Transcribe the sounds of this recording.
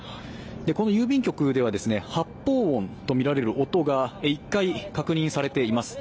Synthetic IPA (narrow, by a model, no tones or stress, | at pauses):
d̪e̞ko̞no̞jɯːbʲĩŋkʲo̞kɯ̟d̪e̞β̞ad̪e̞sɨne̞hapːo̞ːõnt̪o̞mʲiɾaɾe̞ɾɯ̟ʔo̞t̪o̞ɡaeikːaikakɯ̟ɲ̟ĩɰ̃saɾe̞t̪e̞imasɨ̥